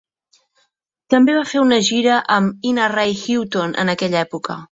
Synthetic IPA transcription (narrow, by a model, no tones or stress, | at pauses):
t̪əmbeβafeunəʒiɾəʔəminərajxiwt̪onʔə̰nəkɛʎɛpukə̰